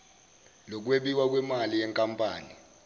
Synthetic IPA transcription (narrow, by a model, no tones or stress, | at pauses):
lɔk̬weɓiwak̬wɛmalijɛŋkʼampʼaːni